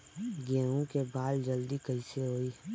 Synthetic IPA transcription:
ɡẽːɦũkebaːld͡ʒəld̪ikɐiseɦoːiː

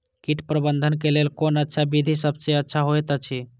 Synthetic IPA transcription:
kiʈpɾəbənd̪ʱənkelelkonətːʃʰabid̪ʱisəbseətːʃʰaɦoet̪ət͡ʃʰi

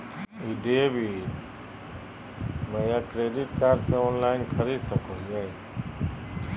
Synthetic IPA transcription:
iːɖeːbʱi | məjaːkɾeːɖɪʈkaːɾɖsẽːoːnlaːɪnkʰəɾiːd̪səkʰõːaẽ

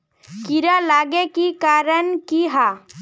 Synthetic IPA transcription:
kiɾalaːɡekikaːɾənkiɦaː

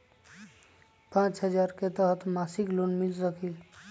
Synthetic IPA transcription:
pãt͡ʃɦəd͡ʒaɾket̪əɦət̪masiklonmilsəkʰil

